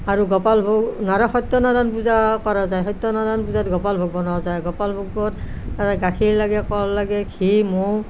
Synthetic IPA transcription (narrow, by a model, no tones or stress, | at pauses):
aɹuɡɔpalbʱoɡnaɾɔxɔjt̪ːɔnadanp̬uzakɔɹazajɦɔtːɔnadanpuzatɡɔpalbʱɔɡ̚bɔnɔzajɡɔpalbʱoɡbɔtː | aaɡakʰiɹlaɡɛkɔɹlaɡɛkʰimo